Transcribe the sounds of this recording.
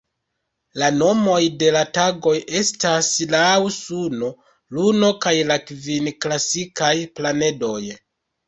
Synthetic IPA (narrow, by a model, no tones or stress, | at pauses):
lano̞mo̞jde̞lataɡo̞je̞staslawsuno | luno̞kajlakvinklasikajplane̞do̞j